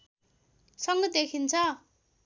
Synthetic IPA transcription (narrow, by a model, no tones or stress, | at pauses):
sʌŋɡʌd̪ekʰint͡sʰʌ